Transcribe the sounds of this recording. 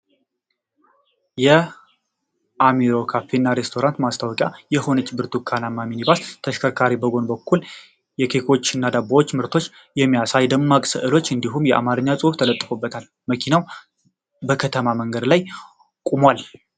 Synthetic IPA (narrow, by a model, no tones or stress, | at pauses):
jɛ | ʔamiɾo̞kʰafenːaɾe̞st̪ʰo̞ɾant̪mast̪ʰawkʼjajɛho̞nət͡ʃːbɨɾt̪ʰukʰanamaminibast̪ʰəʃkʰəkʰaɾibəɡo̞nbəkʰːul | jɛkʰe̞kʰo̞t͡ʃːɪnːad̪abːawot͡ʃːmɨɾt̪ʰo̞t͡ʃː | jɛmːijasajd̪əmːakʼsɨ̰ʔɨlot͡ʃːɨnd̪iɦumjɛʔa̰maɾɨɲːasʼɨft̪ʰələt̪ʼːɨfobːət̪ʰal | məkʰinaw | bəkʰət̪ʰəmaməŋɡəd̪laj | kʼumwal